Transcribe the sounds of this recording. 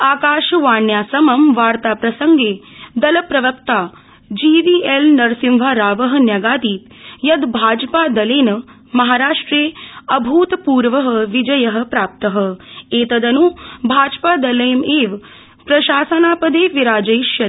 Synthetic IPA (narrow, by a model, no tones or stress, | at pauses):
aːkaːʃɐʋaːɳjaːsɐmɐmʋaːɾt̪aːpɾɐsɐŋɡeːd̪ɐlɐpɾɐʋɐkt̪aː | d͡ʒiːʋielnɐɾsĩmʋʱaːɾaːʋɐɦɐ̆njɐɡaːt̪iːt̪ | jɐd̪bʱaːd͡ʒpaːd̪ɐleːnɐ | mɐɦaːɾaːʂʈɾeːɐbʱuːt̪puːɾʋɐɦɐ̆ʋid͡ʒɐjɐɦɐ̆pɾaːp̚t̪ɐɦɐ̆eːt̪ɐd̪ɐnubʱaːd͡ʒpaːd̪ɐlɐjmeːʋ | pɾɐʃaːsɐnaːpɐd̪eːʋiɾaːd͡ʒɐjʃjɐ